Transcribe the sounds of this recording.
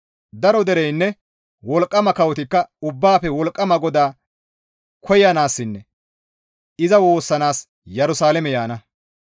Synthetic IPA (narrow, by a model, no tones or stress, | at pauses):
d̪ɐɾɔd̪ɛɾɛjnːɛ | wɔlkʼːɐmɐkɐwɔt̪ɪkːɐʊbːaːpɛwɔlkʼːɐmɐɡɔd̪aː | kʰɔjɐnaːsːɪnːɛ | ɪzɐwo̞ːsːɐnaːs | jɛɾʊsaːlɛmɛjaːnɐ